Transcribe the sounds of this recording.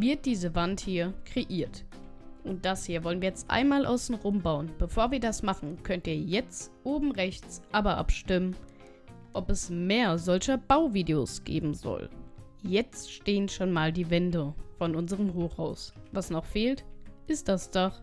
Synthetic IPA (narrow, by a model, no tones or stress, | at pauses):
vɪɐt̚d̥iːzəvanthiːɐkʁ̥eʔiːɐt | ʔʊnt̚d̥ashiːɐvɔlənviːɐjɛt͡stʔa̰ɪnmaːlʔa̰ʊsn̩ʁʊmbaʊənb̥əfoːɐviːɐdasmaχn̩kʰœntiːɐjɛt͡stʔoːbm̩ʁɛçt͡sʔaːbɐʔa̰pʃtɪmən | ʔɔpɛsmeːɐzɔlçɐb̥aʊviːdeoːsɡ̥ḛːbm̩zɔ̰l | jɛt͡stʃteːənʃoːnmaːldiːvɛndəfɔnʊnzəʁəmɦoːxhaʊsvasnɔχfeːltʔɪst̚d̥asd̥aχ